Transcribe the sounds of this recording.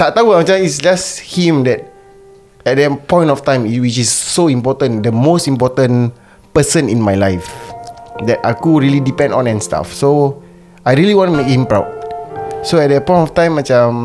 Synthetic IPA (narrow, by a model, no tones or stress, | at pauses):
tat̪awəmãt͡ʃaisd͡ʒashĩmdɛt̚ | ɛt̚dɛpɔ̃j̃ntɔftãɪ̃mwit͡ʃisːoĩmpɔtə̃ndəmostĩmpɔtə̃n | pəsə̃nĩnmajlajf | dɛtakuɹilidipɛ̃ndɔ̃nɛ̃nsta̰fso | ajɹiəliwɔ̃ntumek̚hĩmpɹaʊd̚soɛt̚dɛpɔ̃ɪntɔftãj̃mat͡ʃam